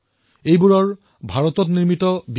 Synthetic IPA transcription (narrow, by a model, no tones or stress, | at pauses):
ejbuɹɔɹ | bʱaɹɔtɔtniɹmitɔb